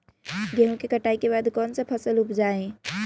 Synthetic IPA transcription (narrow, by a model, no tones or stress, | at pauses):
ɡɛɦõkekəʈaːikebaːd̪kɔːnsepʰɐsəlʊpd͡ʒaːẽ